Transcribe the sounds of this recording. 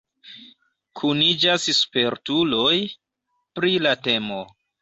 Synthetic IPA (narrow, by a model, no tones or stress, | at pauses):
kʰunid͡ʒasspe̞ɾtulo̞j | pɾilate̞mo